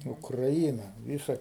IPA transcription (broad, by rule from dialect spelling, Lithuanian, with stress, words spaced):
ʊkrɐˈiːnɐ ˈʋʲiːsɐ